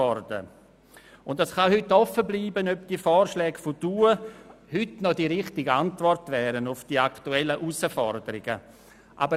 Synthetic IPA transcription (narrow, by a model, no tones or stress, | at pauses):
ɔrdə̰ | ʊntdasχahʏtːɔfəbliːbənœp̚d̥iəfɔːɾʃlɛːɡ̥fɔd̥uːə | hʏtnɔdiɾɪχtɪɡantvɔrtvɛːɾənʊfd̥iaktuɛlːəʔusəfɔrdəɾɪɡə̰ | ʔa̰bə